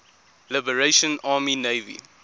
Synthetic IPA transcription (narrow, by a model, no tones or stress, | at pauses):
lɪbəɹeʃə̃nɑːmineɪvḭ